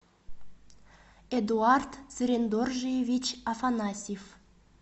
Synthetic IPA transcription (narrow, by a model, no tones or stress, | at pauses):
ed̪uart̪z̥ɾʲend̪orʒejevʲit͡ɕafanɑsʲif